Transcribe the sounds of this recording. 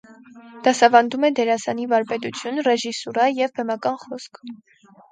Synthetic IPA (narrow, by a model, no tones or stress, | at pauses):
d̪̥ɑsɑvɑnd̪umɛd̪ɛɾɑsɑnivɑɾpɛt̪ut͡sʰjunrɛʒisuɾɑjɛvbɛmɑkɑnχɔskʰ